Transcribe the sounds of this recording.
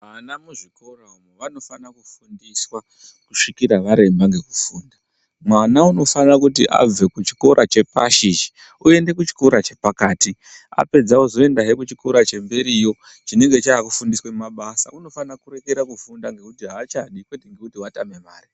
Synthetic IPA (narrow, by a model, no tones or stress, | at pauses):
manamuʐiko̞raumeʋano̞fanakufundiswa | kuʂikiɾaʋaɾe̞mbaŋɡe̞kufuːnda | mwanauno̞fanakutiʔa̰b͡ve̞kut͡ʃi̥ko̞ɾʔat͡ʃe̞pa̰ʃiʒi | ue̞nde̞kut͡ʃi̥koɾat͡ʃe̞pakaːti | a̰pe̞d͡zawozo̞e̞ndaɦekut͡ʃikoɾat͡ʃe̞mbe̞ɾiːjo̞ | t͡ʃine̞ŋɡe̞t͡ʃaakufundiswemmaɓasa̰uno̞fanakuɾe̞keɾakufundaŋɡe̞kutiɦaːt͡ʃaɗikwe̞teŋɡe̞kutiwatame̞maːri